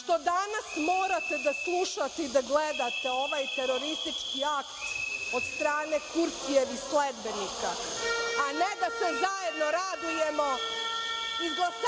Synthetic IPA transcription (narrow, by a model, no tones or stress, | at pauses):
ʃt̪o̞d̪anasmo̞ːɾat̪ed̪aslˠuʃat̪eid̪aɡled̪at̪e̞o̞ʋajt̪e̞ɾo̞ɾist̪it͡ʃkiakt̪o̞t̪st̪ɾaːne̞kuɾt̪ieʋisled̪be̞nika | aned̪asezajed̪no̞ɾad̪ujemo̞ | izɡlˠas